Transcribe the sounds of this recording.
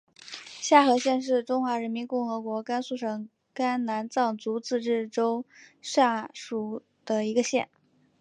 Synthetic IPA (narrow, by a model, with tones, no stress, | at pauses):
ɕja˥˩xɤ˧˥ɕjɛ˥˧nʂ̬ɻ̩˥˩ʈ͡ʂʊ˥ŋxwa˧˥ɻə˧˥nmi˧˥nkʊ˥˩ŋxɤ˧˥kwɔ˧˥ka˥nsu˥˩ʂɤ˨˩ŋ | ka˥nna˧˥nt͡sɑ˥˩ŋt͡su˧˥t͡sɹ̩˥˧ʈ͡ʂɻ̩˥˩ʈ͡ʂo˥ʊʂa˥˩ʂu˨˩ | d̪̥ə˨i˧˥ɡə˧ɕjɛ̰˥˩n